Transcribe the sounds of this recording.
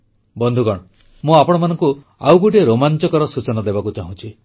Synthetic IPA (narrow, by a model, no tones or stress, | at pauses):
bɔnd̪ʱukɔɽ̃ɔ | mũapɔɽ̃ɔmanɔŋku | awɡuʈieɾomant͡ʃɔkɔɾɔsut͡ʃɔnad̪ebakut͡ʃaɦũt͡ʃʰi